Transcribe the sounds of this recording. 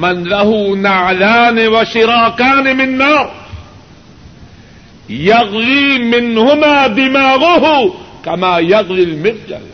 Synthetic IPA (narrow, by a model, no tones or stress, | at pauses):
manlahʊnaʕlaːnɪwaʃɪɾɑːkaːnɪmɪnːɑːɾˤ | jaɣliːmɪnhʊmaːd̪ɪmaːɣʊɦʊkamaːjaɣlilmɪnːa̰l